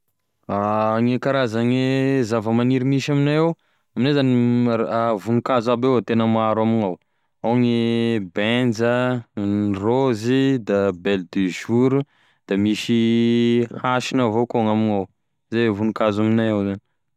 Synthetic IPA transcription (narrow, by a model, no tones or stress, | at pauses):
aŋekaɾazaŋezavəmaniɾimiʃaminajaw | aminezaniavunukazabewat̪enəmaɾaminaw | aŋibɛnd͡zə | rozid̪abɛld̪iʒuɾu | d̪̥amiʃi | haʃinavokoŋaminaw | zevunukazaminajawzani